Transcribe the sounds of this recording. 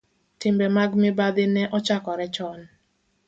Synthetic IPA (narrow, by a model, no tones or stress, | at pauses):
tɪmbɛmaɡmɪbad̪ɪnɛʔɔt͡ʃakɔɾɛt͡ʃɔn